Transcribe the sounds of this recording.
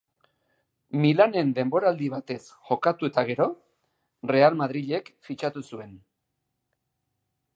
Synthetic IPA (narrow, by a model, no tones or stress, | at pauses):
milane̞nd̪e̞mbo̞ɾaːld̪iβ̞at̪e̞sxo̞kat̪ue̞t̪aɣ̞e̞ɾo̞ | re̞almað̞ɾiʎe̞kfit͡ʃat̪usue̞n